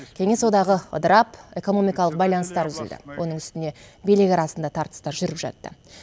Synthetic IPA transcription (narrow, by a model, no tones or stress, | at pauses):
kʲʰe̞ŋe̞swo̞d̪ɑʁəə̰d̪əɾɑpe̞ko̞no̞mijkɑlˠəq̚bɑjlˠɑnəst̪ɑɾtʰʏzɪld̪ɪ̰wʔo̞̰nəŋʏ̥st̪ɪne̞belɪɡʲɑɾɑsənd̪ɑt̪ʰɑɾt̪ə̥st̪ɑɾʒʏɾɪpʒɑ̰t̪ːə̰